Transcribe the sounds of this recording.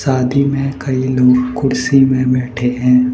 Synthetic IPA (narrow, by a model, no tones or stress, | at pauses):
saːd̪ʱimẽkɐiloːɡkʊɽsimẽbɛːʈʰeɦɛ̃ː